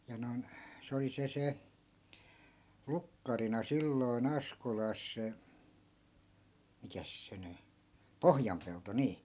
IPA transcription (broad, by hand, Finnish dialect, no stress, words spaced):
jɑ noi̯n se oli se se lukːɑrinɑ silːoi̯n ɑskolɑs se mikæs se ny pohjɑmpelto niː